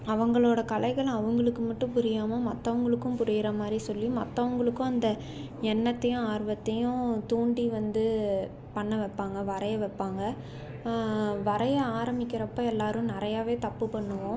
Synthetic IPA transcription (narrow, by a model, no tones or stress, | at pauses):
ɐʋɐŋɡɐɭoːɽɐkɐlɐɪɣɐɭ̃ɐʋɐŋɡɐɭɯkːɯmɐʈːɯ̃pʊɾɪjaːmɐmɐt̪ːɐʋɐŋɡɐɭɯkːɯ̃mpʊɾɪjɪɾɐmaːd̪ɾisɔlːĩmɐt̪ːɐʋɐŋɡɐɭɯkːʊ̃ɐnd̪ɐ | ɛɳːɐt̪ːɐjʊ̃aːɾʋɐt̪ːɐjʊ̃t̪uːɳɖiʋɐnd̪ɯ | pɐɳːɐʋɛpːaːŋɡɐʋɐɾɐjɐʋɛpːaːŋɡɐ | ʋɐɾɐjɐaːɾɐmɪkːɪɾɐpːɐɛlːaːɾɯ̃nɪɾɐjaːʋeːt̪ɐpːɯpɐɳːɯʋõ